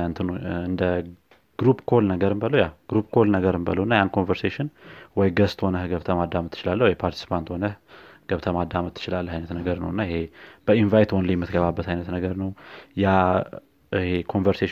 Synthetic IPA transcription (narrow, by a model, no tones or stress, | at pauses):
ant̪ʰɨnuɨnd̪ə | ɡ̥ɾupkʰolnəɡəɾɨmbələwjaɡ̥ɾupkʰolnəɡəɾɨmbə̰ləwɨnːajankʰonvəɾseʃɪnwɔjɡəst̪honəhɡəβt̪ʰəmad̪ːamɨt̪ʰːɨ̥t͡ʃɪlalːəhwɔjpʰaɾt̪ʰi̥sɨ̥pʰant̪ho̞nəhɡ̥əβt̪ʰəmad̪amət̪ʰːɨ̥t͡ʃɪlalːəhajnət̪nəɡəɾnə̰wɨnːaɪhe̞b̥əinvajt̪wɔnləjɛmːɨt̪ɡəβabːət̪hajnət̪nəɡəɾnəwja | ɨhekʰo̞nvəɾseʃ